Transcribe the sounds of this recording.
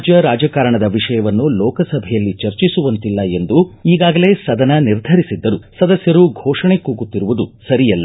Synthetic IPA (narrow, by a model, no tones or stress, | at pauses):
d͡ʒjɐɾaːd͡ʒɐkaːɾɐɳɐd̪ɐʋiʂɐjɐʋɐnːulɔːkɐsɐbʱɛjɐlːit͡ʃɐɾt͡ʃisuʋɐnt̪ilːɐe̞nd̪uiːɡaːɡɐle̞ːsɐd̪ɐnɐniɾd̪ʱɐɾisid̪ːɐɾusɐd̪ɐsjɐɾuɡʱɔːʂɐɳe̞kuːɡut̪ːiɾuʋud̪usɐɾijɐlːɐ